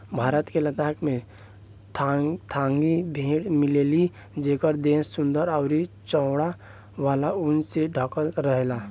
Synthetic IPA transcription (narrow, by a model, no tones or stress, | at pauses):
bʱaːɾət̪kelət̪aːkmẽ | t̪ʰãːŋɡibʱẽːʈmɪleːli | d͡ʒeːkəɾd̪eːsːʊnd̪əɾaʊɾi | t͡ʃɔʊɽa | ʋaːlaʊnseɖʱəkəlɾəɦɛla